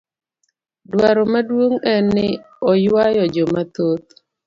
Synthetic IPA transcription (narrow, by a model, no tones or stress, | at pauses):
dwaɾɔmadwoŋɛnːɪ | ɔjwajɔd͡ʒɔmat̪ot̪̚